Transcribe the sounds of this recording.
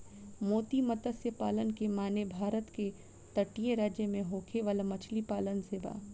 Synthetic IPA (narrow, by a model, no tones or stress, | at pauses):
moːt̪imɐt̪əsjəpaːlənkemaːnebʱaːɾət̪ke | t̪ɐʈijeɾaːd͡ʒjəmẽɦoːkʰeʋaːlamɐt͡ʃʰlipaːlənseːʋa̰ː